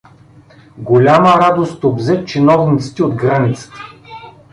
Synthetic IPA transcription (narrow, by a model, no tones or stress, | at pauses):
ɡolʲaməɾad̪ost̪obzɛt̪t͡ʃinɔvnit̪sə̥t̪ʲiod̪ɡɾanit̪sə̥t̪ə̥